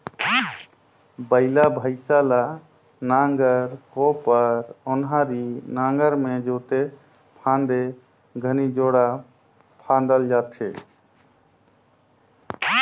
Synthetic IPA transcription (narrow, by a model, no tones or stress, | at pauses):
bəɪlabʱəɪsala | naŋɡəɾkopəɾonɦãɾinaŋɡəɾmed͡ʒot̪e | pʰãnd̪e | ɡʱənid͡ʒoɽa | pʰãnd̪əld͡ʒat̪t͡ʃʰe